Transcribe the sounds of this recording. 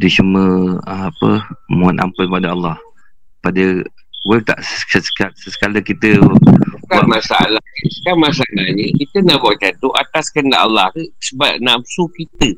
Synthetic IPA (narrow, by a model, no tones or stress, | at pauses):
dit͡ʃuməəapəmũana̰mpʊnpadaɑlːɑh | padə | wət̪a̰ʔəsasəsə̥kaləkit̪əukaamasaa̰lahə̥kamasaalahɲəkit̪ənaʔbaʔt͡ʃant̪uʔa̰t̪askənda̰ʔalːahəsəbaʔ̚napsukit̪ə